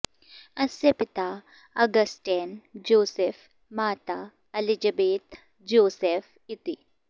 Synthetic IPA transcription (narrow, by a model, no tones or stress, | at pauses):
ɐsepɪt̪a | ɐɡɐsʈeːnd͡ʒoːsef | maːt̪a | ɐlid͡ʒɐbeːt̪ | d͡ʒoːsef | ɪt̪i